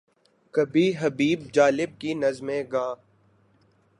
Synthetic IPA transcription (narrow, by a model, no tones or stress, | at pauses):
kɐbʱiɦɐbiːb̚d͡ʒaːlɪb̚kinɐzmẽɡãː